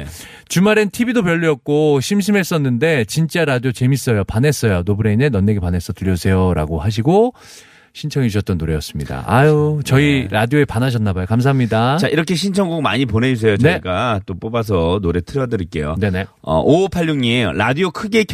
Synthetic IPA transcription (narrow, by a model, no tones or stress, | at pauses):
t͡ɕumaɾentʰibidop̬jʌʎːiʌk̚k͈oɕʰimɕ̬ʰime̞s͈ʌnːɯnde̞t͡ɕint͡ɕ͈aɾadiot͡ɕe̞mis͈ʌjopane̞s͈ʌjonobuɾe̞inenʌnːeɡepane̞s͈ʌtɯʎːjʌd͡ʑusʰejoɾa̰ɡoɦaɕ̬ʰiɡo | ɕʰint͡ɕʰʌŋeuɕʰʌt̚t͈ʌnːoɾe̞jʌs͈ɯmɲida̰aot͡ɕʌiɾadioe̞panaɕʰʌnːabajokams̬ʰaɦamɲidat͡ɕaʔiɾʌkʰe̞ɕ̬ʰint͡ɕʰʌŋɡoɡma̰ɲipone̞d͡ʑus̬ʰe̞jot͡ɕneɡat͈op͈obas̬ʰʌnoɾetʰɯɾʌdɯɾik͈e̞jo̰ne̞ne̞ | ʌ̰ʔopʰaʎːoŋɲiejo̰ɾadiokʰɯɡe̞kʰ